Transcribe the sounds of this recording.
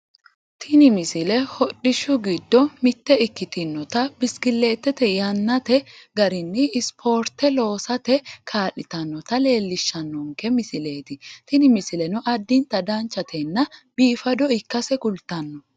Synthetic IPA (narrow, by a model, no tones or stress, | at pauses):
t̪ʰɪnɪmɪsɪlɛhɔɗɪʃʊɡɪd̪ːɔmɪt̪ːɛɪkːɪt̪ɪnːɔt̪ɐbɪskɪlːe̞ːt̪ːɛt̪ɛjɐnːɐt̪ɛɡɐɾɪnːɪːspʰoːɾt̪ɛlo̞ːsɐt̪ɛkʰaːʔɪt̪ɐnːɔt̪ɐle̞ːlːɪʃːɐnːɔŋkɛmɪsɪle̞ːt̪ɪt̪ɪnɪmɪsɪlɛnɔʔɐd̪ːɪnt̪ɐd̪ant͡ʃːɐt̪ʰɛnːɐb̥iːfɐd̪ɔɪkːɐsɛkʊlt̪ːɐnːɔ